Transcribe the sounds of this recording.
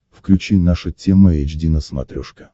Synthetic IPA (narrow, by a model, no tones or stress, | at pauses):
fklʲʉt͡ɕejnaʂətʲeməɛd͡ʒdʲinəsmɐ̰t̪ɾʲoʂkə